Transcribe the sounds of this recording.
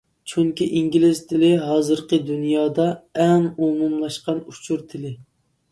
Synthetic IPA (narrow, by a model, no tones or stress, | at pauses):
t͡ʃʰuŋkʲiʔiŋɡʲilɪzt̪ʰɪlɪɦɑːzɨɾqəd̪unjɑːd̪ɑɛnumumlˠɑʃqɑnut͡ʃʰuɾt̪ʰɪlɪ